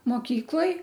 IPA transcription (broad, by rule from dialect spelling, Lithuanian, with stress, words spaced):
moːˈkʲiːklˠoːj